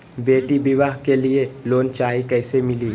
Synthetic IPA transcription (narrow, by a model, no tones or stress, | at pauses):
beːʈibɪʋaːɦkelieloːnt͡ʃaːikɛːsemɪliː